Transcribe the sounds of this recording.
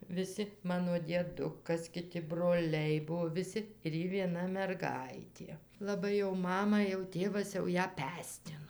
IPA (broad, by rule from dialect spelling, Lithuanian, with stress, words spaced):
ʋʲɪˈsʲɪ ˈmɑːnoː dʲiɛˈdʊkɐs kʲɪˈtʲɪ broːˈlʲɛɪ ˈbuɔ ʋʲɪˈsʲɪ ɪr ˈjɪ ʋʲiɛˈnɐ mʲɛrˈɡɐɪtʲeː lˠɐˈbɐɪ jɛʊ ˈmɑːmɐ jɛʊ ˈtʲeːʋɐs jɛʊ ˈjæː ˈpʲæːsʲtʲɪnoː